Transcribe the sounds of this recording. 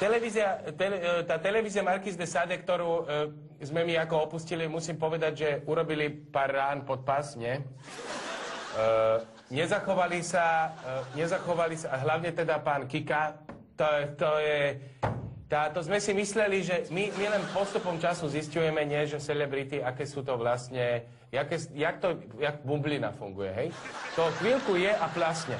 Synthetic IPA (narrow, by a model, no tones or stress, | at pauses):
t̪ɛlɛʋiːzɪat̪ɛlɛt̪aːt̪ɛlɛʋiːzɪamaɾkizd̪ɛsad̪ɛkt̪ɔɾuː | zmɛmiakɔɔpuscilimusiːmpɔʋɛd̪aɟʒɛuɾɔbilipaːrːaːnpɔt̪̚pasɲɛ | ɲɛzaxɔʋalisaɲɛzaxɔʋalisaɦlaʊɲɛt̪ɛd̪apaːnkika | t̪ɔt̪ɔjɛ | t̪aːt̪ɔzmɛsimislɛliʒɛmimilɛnpɔst̪upɔmt͡ʃasuziscujɛmɛɲɪɛʒɛsɛlɛbɾit̪iakɛːsuːt̪̬ɔʋlast̪ɲɛ | jakɛsjak̚t̪ɔ | jaɡbublina̰fuŋɡujɛɦɛjt̪ɔxʋilkujɛʔaplasɲɛ